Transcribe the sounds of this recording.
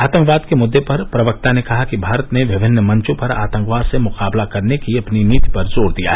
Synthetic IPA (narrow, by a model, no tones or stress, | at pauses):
aːt̪ə̃ŋkʋaːd̪kemʊd̪ːepɐɾpɾɐʋək̚t̪anekɐɦakibʱaːɾət̪neʋɪbʱɪnːəmɐ̃ɲt͡ʃõpɐɾa̰ːt̪ə̃ŋkʋaːd̪semʊqaːblakɐɾnekiɐpniniːt̪i̥pɐɾzoːɽd̪ija̰ɦɛ